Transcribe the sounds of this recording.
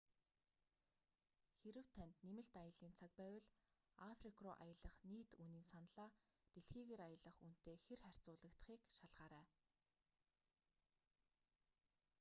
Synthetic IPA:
xeɾɘ̆w̥t̪ʰænt̪nemɘ̆ɬt̪ajə̆ɮiːnt͡sʰak̚pæːwə̆ɮ | afrikʰrʊːʔa̰jə̆ɮə̆χniːt̪uniːnsanɮaː | t̪eɮxiːɣeːɾajə̆ɮə̆χun̥t̪eːxerχær̥ʲt͡sʊːɮə̆kt̪̆χiːkʃaɮʁaːɾæː

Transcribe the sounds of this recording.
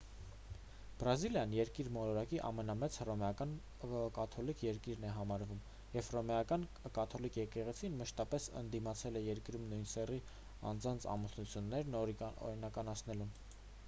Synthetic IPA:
b̥ɾɑziljɑnjɛɾkiɾmɔɾɔɾɑkiʔɑ̰mɛnɑmɛt͡sʰrɔmɛɑkɑn | kɑt̪ʰɔlikʰjɛɾkiɾnɛɦɑmɑɾvum | jɛvrɔmɛjɑkɑn | kɑt̪ʰɔlikʰjɛkɛʁɛt͡sʰinməʃt̪ɑpɛsə̰nd̪imɑt͡sʰɛlɛjɛɾkɾumnujnsɛri | ɑ̰nd͡zɑnt͡sʰɑ̰musnut͡sʰjunːɛɾnɔ̰ɾinɑkɑnɑt͡sʰnɛlun

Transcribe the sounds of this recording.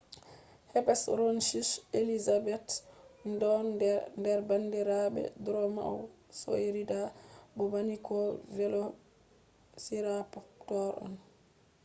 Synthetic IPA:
hɛpɛsɾonʃiselizabɛtndɔnndɛɾbandiɾabɛ̰dɾɔma̰wso̰ɾidabɔbanikʰɔvɛlo | siɾapɔtɔɾɔ̰n

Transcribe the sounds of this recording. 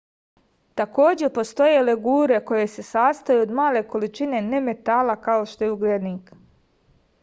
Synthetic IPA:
t̪ako̞ːd͡ʑe̞ɾpo̞st̪o̞je̞leɡuːɾe̞ko̞je̞se̞saːst̪ajuod̪maːle̞ko̞lit͡ʃine̞ne̞me̞t̪aːlakao̞ʃt̪ojeuɡled̪niːk

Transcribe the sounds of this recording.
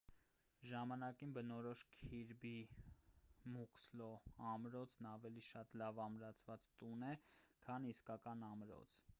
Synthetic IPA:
ʒɑmɑnɑkinbənɔɾɔʃkʰiɾbi | mukslɔɑmɾɔt͡sʰnɑvɛliʃɑt̪lɑvɑmɾɑt͡sʰvɑt͡st̪unɛkʰɑniskɑkɑnɑmɾɔ̰t͡sʰ

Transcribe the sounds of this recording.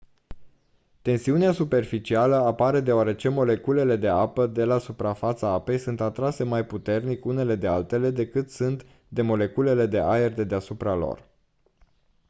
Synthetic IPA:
t̪e̞nsiuneasupe̞rfit͡ʃialəapaɾe̞d̪e̞oaɾe̞t͡ʃe̞mo̞le̞kule̞le̞d̪e̞apəd̪e̞lasupɾafat̪saape̞jsunt̪at̪ɾase̞majput̪e̞rnikune̞le̞d̪e̞alt̪e̞le̞d̪e̞kɨt̪sunt̪ | d̪e̞mo̞le̞kule̞le̞d̪e̞ʔaerd̪e̞d̪e̞asupɾalo̰r

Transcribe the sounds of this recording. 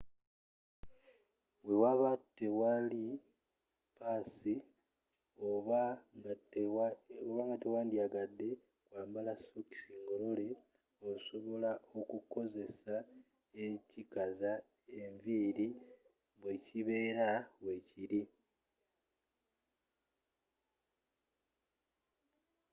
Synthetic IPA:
we̞waβatːe̞wali | paːsi | oβ | oβaŋɡatewaːndiaɡadːe̞ | kwaːmbalasoki̥siːŋɡo̞lo̞le̞ | oso̞βo̞laʔo̞kuko̞ze̞sa | e̞cikaza | e̞ɱviːɾi | βwe̞ciβe̞ːɾawe̞ːciɾi

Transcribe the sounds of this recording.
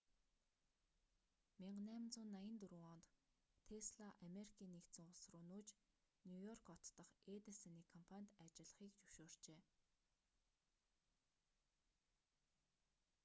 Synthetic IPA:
miɴɢnæːm̆nt͡sʊːnːajə̆nt̪ɵɾuɔnt̪ | t̪ʰesɮaʔameɾikʰiːnːekt̪sɘ̆ŋʊsrʊːnuːt͡ɕ | njujɔrkɔt̪ːɞ̆χeːt̪esaniːkʰɔmpʰanʲt̪at͡ɕɪ̆ɮə̆χiːkt͡ɕɵwʃoːr̥t͡ɕeː

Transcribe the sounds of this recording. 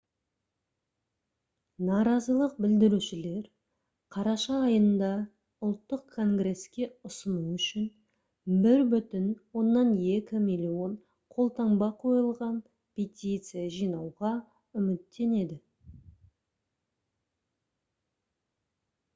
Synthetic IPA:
nɑɾɑzəlˠəq̚bɪld̪ɪɾuʃɪle̞ɾ | qʰɑɾɑʃɑːjənd̪ɑ | ʊlˠt̪ːəqʰːo̞ŋɡre̞skʲe̞ʊsənuʏʃɪn | bɪɾbʏt̪ɪnwo̞nːɑnje̞kʲɪmilʲio̞n | qʰo̞lˠt̪ɑɴbɑqʰo̞jəlˠʁɑn | pʲʰe̞t̪ʲit̪sɨjaʒijnɑwʁɑ | ʏmɪt̪ːe̞ne̞d̪ɪ

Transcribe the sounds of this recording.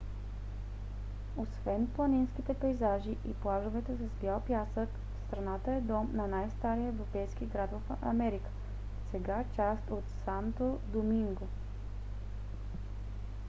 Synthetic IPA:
osvɛnplˠɐninskit̪ɛpɛjzaʒiʔiplˠaʒovɛt̪ɛsɐsbjalˠpjasək | fst̪ɾɐnat̪əɛd̪ɔmnɐnajst̪aɾijəɛvɾopɛjskiɡɾad̪vəfʔɐ̰mɛɾikə̥ | sɛɡat͡ʃast̪ot̪sant̪od̪omiŋɡo

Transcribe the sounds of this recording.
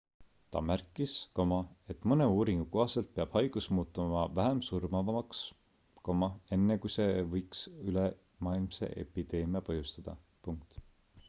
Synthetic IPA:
t̪ɑ̰mærkːˑiskomɑe̞t̪ːˑmɤne̞uːɾiŋɡ̥uko̞hɑse̞lt̪̚peɑb̥hɑjɡ̥usmuːt̪ːˑumɑvæɦemsurmɑvɑmɑks | komɑe̞nːekujse̞vɤjksyle | mɑːilmse̞̰ʔḛpid̪̥e̞ːmiɑpɤjust̪ɑd̪̥ɑ̰ | puŋk̚t̪

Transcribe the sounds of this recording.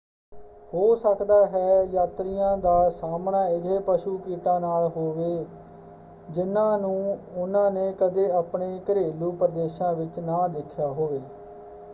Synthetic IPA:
hoːsəkd̪aːɦɛːjaːt̪ɾɪjãːd̪aːsaːmɳãːɪd̪eːpəʃuːkiːʈãːnaːlɦoːʋeː | d͡ʒɪnãːnũːʊnãːneːkəd̪eːapɳeːkəɾeːluːpəɾəd̪eːʃãːʋɪt͡ʃnãːd̪ɪkʰːjaːɦoːʋeː

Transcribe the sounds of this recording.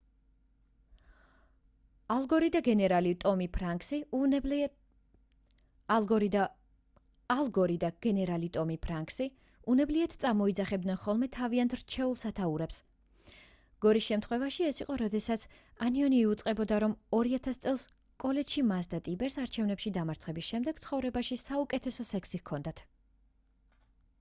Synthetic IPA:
alˠɡɔɾid̪aɡɛnɛɾalit̪ʼɔmipʰɾaksi | lˠɡɔd̪a | alˠɡɔɾid̪aɡ̥ɛnɛɾalit̪ʼɔmipʰɾaŋksi | unɛbliat̪ʰt̪sʼamɔid̪zaχɛb̚d̪nɛnχɔlˠmɛt̪ʰaviant̪ʰɾt͡ʃʰɛulˠsat̪ʰauɾɛps | ɡ̥ɔɾisʃɛmt̪ʰχwɛvaʃiɛsiqʼɔɾɔd̪ɛsat̪sʰ | aniɔniːut̪sʼqʼɛbɔd̪aɾɔmɔɾiat̪ʰast̪sʼɛlˠs | kʼɔlɛd͡ʒʃimasd̪at̪ʼibɛɾsaɾt͡ʃʰɛvnɛpʃid̪amaɾt̪sχɛbisʃɛmd̪ɛɡ̥t̪sʰχɔvɾɛbaʃisaukʼɛt̪ʰɛsɔsɛkʰsiɣkʰɔnd̪at̪ʰ

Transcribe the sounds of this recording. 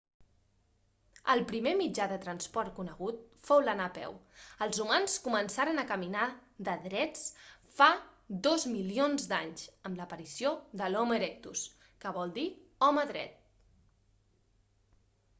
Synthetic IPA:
əlˠpɾimemid͡ʒaðət̪ɾənspɔɾt̪̚kunəɣ̞ut̪̚fowlənapɛ̰wəlˠzumanskumənsaɾənəkəminaðəðɾɛt͡s | fad̪ozmilionzd̪aɲzəmləpəɾisioðəlɔməɾɛk̚t̪us | kəβ̞ɔlˠd̪iɔməðɾɛ̰t̪̚

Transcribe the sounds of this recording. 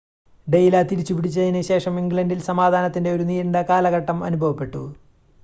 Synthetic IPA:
ɖe̞jlat̪iɾit͡ɕːupiɽit͡ɕːɐðinɨɕe̞ːʂɐmiŋɡɭɐndilsɐmaːd̪ʱaːnɐt̪ːinde̞oɾuniːɐnɖɐkaːlɐɣɐʈːɐmɐ̰nubʱɐʋɐpːe̞ʈːṵ

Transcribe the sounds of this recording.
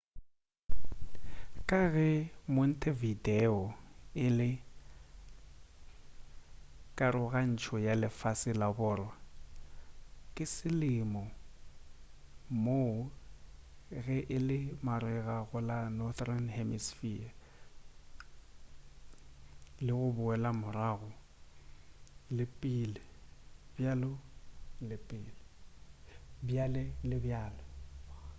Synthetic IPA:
kʼaɣɛmʊn̩tʰʼevideɔɪlɪ | kʼaɾʊɣan̩t͡ʃʰɔjalɪfasɪlabʊːrwa | kʼɪsɪlɪmɔ | mo | ɣɛʔɪlɪmaɾɛɣaɣʊlanɔθranhɛmisfia | lɪɣʊbʊɛlamʊraːɣʊ | lɪpʼilɪbjalɔlɪpʼɪːlɪ | bjalɛlɪbjaːlɔ

